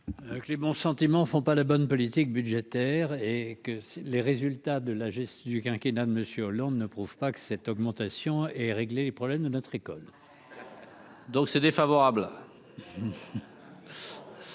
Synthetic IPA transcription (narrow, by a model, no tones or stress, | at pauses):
kəlebɔ̃sɑ̃t̪imɑ̃fɔ̃palabɔnpɔlit̪ik̚byd̪ʒet̪ɛʁekəsleʁezylt̪ad̪əlaʒɛst̪j̃d̪ykʲɛ̃kʲenad̪əməsjøɔlɑ̃d̪nəpχuv̥pakə̥sɛt̪ɔɡmɑ̃t̪asjɔ̃ɛʁeɡlelepχɔblɛmd̪ənɔt̪χekɔl | d̪ɔ̃ksɛd̪efavɔʁabl